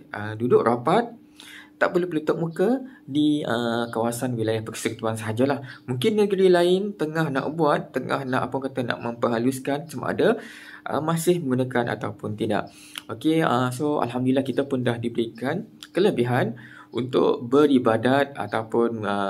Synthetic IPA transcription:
ʔədudʊʔrʔapat̪̚ː | aʔpərluhpələt̪ʊʔ̚mukədiəkawasanwilajahpəksəkit̪uansəɦad͡ʒalahmũŋkɪnːəɡəɾilaɪnt̪əŋahna̰ʔbuat̪ːəŋʔa̰hna̰ʔapʊnkat̪ana̰ʔmə̃mpəɦaluskansəma̰ʔa̰da | ʔə̰mãsɪhmə̃ŋɡunãkanʔa̰t̪awpʊnt̪ida̰ʔ | okeəsoa̰lɦamdulilahkit̪apʊndahdibəɾikankələbiɦan | ʔṵnt̪ʊ̰ʔbəɾibadat̪̚a̰t̪awpʊnə

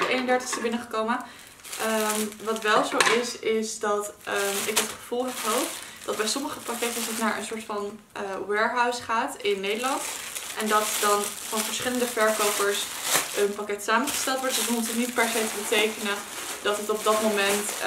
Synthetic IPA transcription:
ejnəndɛɹtə̥χstəbɪnəχəkowmə | ʔəmʋɑtʋɛlˠzowʔɪsɪsdɑtəɪk̚dɑtχə̥v̥ulˠɦɛpɦowfd̥ɑd̚bɛjsɔməχəpakɛtəsətnaːɹʔə̰nsʊːɹtfɑn | ʔəwɛɹɦawsχaːtɪnːejdəlɑntʔɛndɑtdɑn | fɑnvəɹsχɪləndəvɛɹkowpəɹs | ʔənpakɛtsaːmənχə̥stɛlˠtʋɔtdəsəutənit̚pɛɹsejtəbətejkənə | d̥ɑtɦətɔb̚dɑtmomɛnt

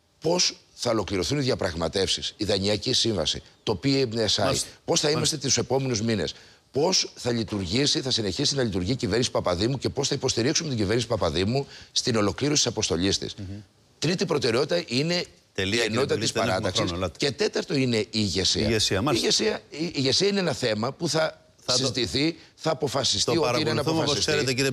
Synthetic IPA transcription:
po̞s | θɐo̞lo̞kliɾo̞θuniðjɐpɾɐɣmɐt̪e̞fsisiðɐɲiɐcisiɱvɐ̰sḭt̪o̞pienesɐḭpo̞sθɐimɐst̪eu̥se̞po̞me̞nuzmine̞̰s | po̞sθɐʎit̪uɾʝisiθɐsine̞çisinɐʎit̪uɾʝicive̞ɾnisi̥pɐpɐðimuce̞po̞sθɐipo̞st̪iɾiksumet̪iɟiveɾnisipɐpɐðimust̪ino̞lokliɾosit̪isɐpo̞st̪o̞ʎist̪ḭs | t̪ɾit̪ipɾo̞t̪e̞ɾeo̞t̪it̪ɐʔine̞ | elienot̪it̪ɐisɐɾɐt̪ɐkssce̞t̪e̞t̪ɐɾt̪o̞ine̞iːʝe̞sḭɐ̰esiɐiʝesiɐiːʝe̞siɐineenɐθe̞mɐpuθɐ | sizzit̪iθi | θɐːpo̞fɐsist̪iotiinenɐofɐsisseɾet̪ei

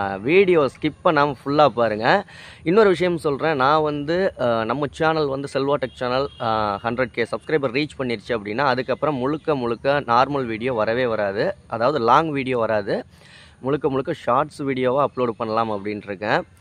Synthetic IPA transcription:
ʋiːɽɪjoːskɪpːɐnaːmɐfʊɭːaːpaːɾɯŋɡɐ | ɪnːɔɾɯʋɪʂɐjɐmsɔlɾẽːnãːʋɐnd̪ɯnɐmːɐt͡ʃaːnɐlʋɐnd̪ɯsɛlʋaːʈɐk̚t͡ʃaːnɐlhɐɳɖɾɛʈ̚keːsɐbskɾɐɪbɐɾiːt͡ʃpɐɳːɪɾt͡ʃːɯɐpːɐɽɪnːaːɐðɯkːɐpːɾɐ̃mːʊɻɯkːɐmʊɻɯkːɐnaːɾmɐlʋiːɽɪjoːʋɐɾɐʋeːʋɐɾaːðɯʔɐðaːʋɐðɯlaːŋɡʋiːɽɪjoːʋɐɾaːðɯ | mʊɻɯkːɐmʊɻɯkːɐʂaːɾʈsʋiːɽɪjoːʋãːɐpɭoːɖpɐɳːɐlaːmɐpːɐɽɪnɪɾɯkːẽː

